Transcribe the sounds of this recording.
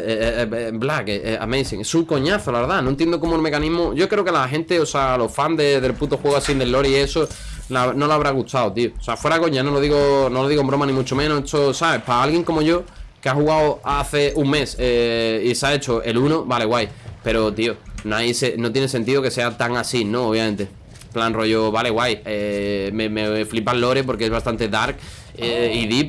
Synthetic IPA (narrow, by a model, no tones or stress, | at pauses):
blakea̰mesiŋe̞suŋko̞ɲaθolaβeɾðanõent̪e̞nd̪ok̬omoelme̞kanĩɦmoʝo̞kɾeokelaɦẽ̞nt̪e̞osalo̞fand̪eðe̞lput̪oxweɣasend̪e̞lːo̞ɾie̞so | naβno̞laβɾaɣ̞ut̪ʰawt̪ioseafwe̞ɾako̞ɲano̞loðiɣono̞loðiɣombɾo̞manĩmũt͡ʃomẽnoet̪osaβepaalɣjeŋko̞moʝo̞keaɦuɣawaθe̞uŋme̞seisae̞t͡ʃoʔe̞lunoβale̞ɣwajpe̞ɾot̪ionajsenot̪̬jenes̬e̞nt̪iðo̞ke̞se̞at̪aŋasinõoβ̞jamẽ̞nt̪e̞ | planro̞ʝoβale̞ɣwajememeeflipalːo̞ɾep̬o̞ɾkeezβast̪ant̪e̞ðaɾk | eiðip